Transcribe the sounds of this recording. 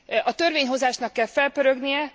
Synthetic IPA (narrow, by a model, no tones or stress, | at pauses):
ɒt̪ørveːɲɦo̞zaːʃnɒkːɛlfɛlpøɾøɡnijɛ